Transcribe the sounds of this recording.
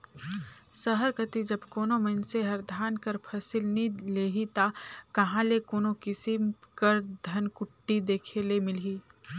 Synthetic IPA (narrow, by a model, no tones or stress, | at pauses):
səɦəɾkət̪id͡ʒɐbkoːnomɐnseɦɐɾd̪ʱaːnkəɾpʰɐsɪlnileːɦit̪akɐɦãlekoːnokɪsɪmkəɾd̪ʱɐnkʊʈːid̪eːkʰeːlemɪlɦiː